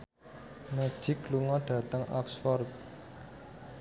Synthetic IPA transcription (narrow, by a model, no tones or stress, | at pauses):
me̥ʒ̥ɪkluŋɔɖ̥ä̤t̪əŋɔ̰ksfɔrt̪̚